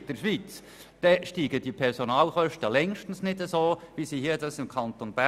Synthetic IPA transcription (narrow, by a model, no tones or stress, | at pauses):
d̥əɾʃʋiːt͡s | d̥ɛʃtiːɡəd̥ipʰɛɾsonɑːlχœʃtəlɛŋʃtn̩snɪdəsoːvisiːhiːədɑsɪmkʰɑnt̪onbæ